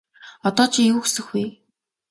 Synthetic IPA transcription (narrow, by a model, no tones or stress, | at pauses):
ɔt̪ɔːt͡ɕʰiŋjuːxsɘ̆xwuj